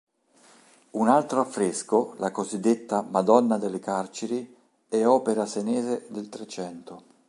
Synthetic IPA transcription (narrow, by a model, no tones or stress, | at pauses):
unalt̪ɾoafːɾeskolakozid̪ːet̪ːamad̪ɔnːad̪elːekart͡ʃeɾi | ɛɔːpeɾasenɛːzed̪elt̪ɾet͡ʃɛnt̪o